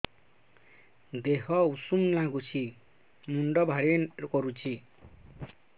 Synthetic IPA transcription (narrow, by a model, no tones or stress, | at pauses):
d̪eɦɔusumlãɡut͡sʰi | muɳɖɔbʱaɾekɔɾut͡sʰi